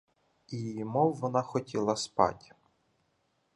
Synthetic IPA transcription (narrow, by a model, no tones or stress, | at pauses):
imɔwʋɔnɑxɔtʲʰilˠɐspɑ̰tʲ